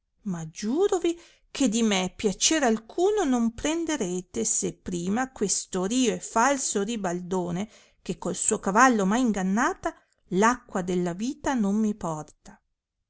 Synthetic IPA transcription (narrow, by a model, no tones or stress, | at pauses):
mad͡ʒuːɾovi | kʰed̪imepːjat͡ʃeɾalkʰuːnonompɾend̪eɾeːt̪esepːɾiːmakwest̪oɾiːoefalsoribald̪oːne | kekːolsuːokavalːomajiŋɡanːaːt̪a | lakːwad̪elːaviːt̪anommipɔrt̪a